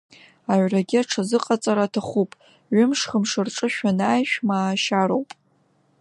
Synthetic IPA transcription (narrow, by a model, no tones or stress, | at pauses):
aʕʷraɡʲiaʈ͡ʂʰazɨqʼat͡sʼaɾatʰaχupʼ | ɥʊmʂχəmʂɨrʈ͡ʂʼɨʃᶣanaːjʃᶣmaːʃaɾowpʼ